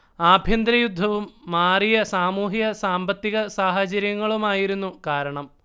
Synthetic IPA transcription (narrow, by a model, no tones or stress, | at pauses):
aːbʱjɐnd̪ɾɐjud̪ʱːɐʋumːaːrijɐsaːmuːɦiɣɐsaːmbɐt̪ːiɣɐsaːɦɐt͡ɕɐɾjɐŋːɐɭumaːjiɾunːukaːɾɐɳɐm